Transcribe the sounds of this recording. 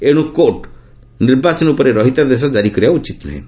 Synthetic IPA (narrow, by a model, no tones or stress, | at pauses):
eɽ̃ũkoʈ | niɾbat͡ʃɔnupɔɾeɾɔɦit̪ad̪es̬ɔd͡ʒaɾikɔɾiaut͡ʃit̪ɔnɔ̰ɦḛ̃